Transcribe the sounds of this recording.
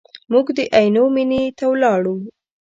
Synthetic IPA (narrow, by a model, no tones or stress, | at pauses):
muɡd̪əʔajnominet̪awlɑɽu